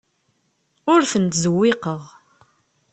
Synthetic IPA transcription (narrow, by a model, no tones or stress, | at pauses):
ʊɾθənt̪zəwːɪqəʁ